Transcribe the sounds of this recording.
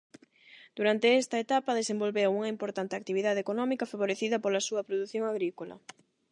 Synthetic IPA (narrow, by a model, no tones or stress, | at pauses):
d̪̥uɾant̪eɛst̪ɐet̪apɐðesembolβewuŋɐimpoɾt̪ant̪eak̚t̪iβiðaðekonɔmikɐfaβoɾeθiðɐpolɐsuɐpɾoðuθjoŋaɣɾikolɐ̰